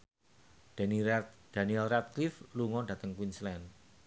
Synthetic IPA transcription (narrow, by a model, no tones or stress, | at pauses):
d̪̥aniɛlrat̪̚klifluŋɔɖä̤t̪əŋkwinslɛn